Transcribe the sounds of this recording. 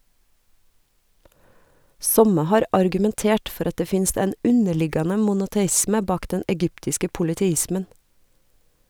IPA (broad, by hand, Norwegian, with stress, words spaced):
ˈsɔmə ˈhɑːɾ ɑɾɡʉmɛnˈteːʈ ˈfɔɾ ˈɑt ˈdeː ˈfɪnst ˈɛn ˈʉnəˌɭɪɡɑnə mʊnʊtɛˈɪsmə ˈbɑːk ˈdɛn ɛˈɡʏptɪskə pʊlɪtɛˈɪsmən